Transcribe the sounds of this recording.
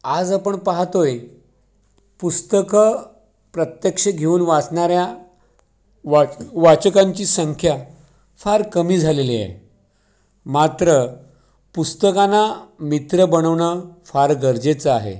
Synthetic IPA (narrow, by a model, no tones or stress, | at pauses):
ad͡zapəɳpaɦat̪oje | pust̪əkə | pɾət̪jəkʂəɡʱeuːnʋat͡sɳaɾja | ʋaʋat͡ɕəkãɲt͡ɕiːsəŋkʰja | faɾkəmiːd͡zʱaleliḛ | mat̪ɾə | pust̪əkanamit̪ɾəbəɽ̃əʋɳəfaɾɡəɾd͡ʑet͡səaɦḛ